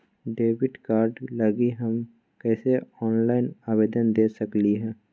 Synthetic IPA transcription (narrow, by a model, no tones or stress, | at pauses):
ɖeːʋɪɖkaːɾɖlɐɡiɦɐm | kɛːseɔːnlaːɪnaːbeːd̪ənd̪eːsɐkliɦɛ̃ː